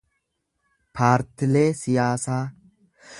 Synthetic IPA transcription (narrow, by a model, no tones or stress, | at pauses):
pʰaːɾt̪ɪleːsɪjaːsaː